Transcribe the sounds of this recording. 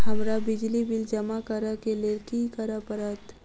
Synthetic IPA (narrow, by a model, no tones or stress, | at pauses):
ɦɐmɾabɪd͡ʒlibɪld͡ʒɐmakəɾakelekikəɾapəɾat̪